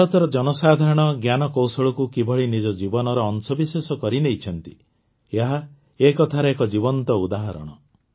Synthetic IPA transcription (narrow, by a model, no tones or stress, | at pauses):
ɔt̪ɔɾɔd͡ʒɔnɔsad̪ʱaɾɔɽ̃ɔɡjanɔkowsɔɭɔkukibʱɔɭinid͡ʒɔd͡ʒibɔnɔɾɔːnsɔbisesɔkɔɾinejt͡ʃʰɔnt̪i | eɦa | ekɔt̪ʰaɾeekɔd͡ʒibɔnt̪ɔud̪aɦɔɾɔ̰ɽ̃ɔ